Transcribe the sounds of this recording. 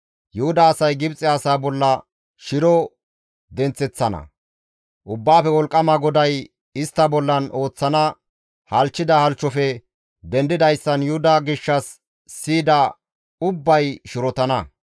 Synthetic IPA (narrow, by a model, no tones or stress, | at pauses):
jʊhʊd̪ɐːsɐjɡɪbt͡sʼɪasaːbɔlːɐ | ʃɪɾɔ | d̪ɛnt͡sːɛt͡sːɐnɐ̰ | ʔʊbːaːfɛwɔlkʼːɐmɐɡɔd̪ɐj | ɪst̪ːɐbɔlːɐno̞ːt͡sːɐnɐ | hɐlt͡ʃːɪd̪ɐhɐlt͡ʃːɔfɛ | d̪ɛnd̪ɪd̪ɐjsːɐnjʊhʊd̪ɐɡɪʃːɐsː | iːd̪ɐ | ʊbːɐjʃʊɾɔt̪ɐnɐ